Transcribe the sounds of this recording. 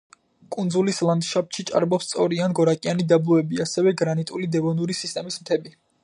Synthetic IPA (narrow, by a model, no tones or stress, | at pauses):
kʼund̪zulislˠand̪ʃap̪̚ʃit͡ʃʼa̰ɾbɔpst̪sʼɔɾianɡɔɾakʼianid̪ablˠɔɛbiasɛvɛɡɾanit̪ʼulid̪ɛvɔnuɾisist̪ʼɛmismt̪ʰɛbi